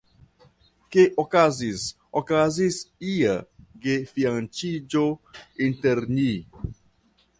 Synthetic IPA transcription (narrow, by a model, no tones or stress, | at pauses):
keʔokazis | okazisiaɡefiant͡ʃid͡ʒointeɾɲi